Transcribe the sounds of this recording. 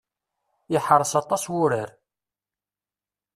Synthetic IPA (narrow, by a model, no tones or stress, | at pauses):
ɪħəɾˤəsɑt̪ˤːɑswʊɾəɾ